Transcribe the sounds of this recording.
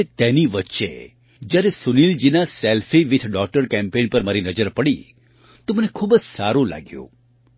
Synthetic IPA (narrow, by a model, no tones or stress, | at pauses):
et̪eniʋətːʃḛ | d͡ʒjaɾesʊnild͡ʒinasɛlfʰiʋit̪ʰɖɔk̚ʈəɾkɛ̃mpenpəɾmaɾinəd͡ʒəɾpəɽi | t̪omənekʰubəd͡ʒsaɾũla̰ɡjṵ̃